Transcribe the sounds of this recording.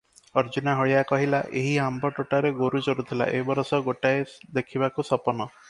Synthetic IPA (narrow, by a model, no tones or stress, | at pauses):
ɔɾd͡ʒunaɦɔɭijakɔɦilaʔeɦiambɔʈoʈaɾeɡoɾud͡ʒɔɾut̪ʰila̰ʔḛɦbɔɾɔsɔɡoʈaed̪ekʰibakusɔpɔnɔ